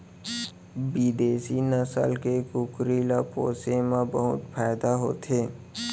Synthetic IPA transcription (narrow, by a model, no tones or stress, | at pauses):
biːd̪eːsinəsə̰lkekʊkɾilapoːsemẽbəɦʊt̪pʰaːɪd̪aɦoːt̪ʰeː